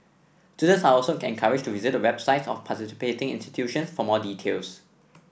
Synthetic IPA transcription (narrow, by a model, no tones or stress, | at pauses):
studə̃nsaɔlsoɛ̰̃nkʰaɹɪd͡ʒtuvizɪt̚dəwɛb̥saɪtsɔ̰fpʰatisi̥petɪ̃ŋḭ̃nsti̥tʰjuʃə̃nsfɔmɔditʰḛls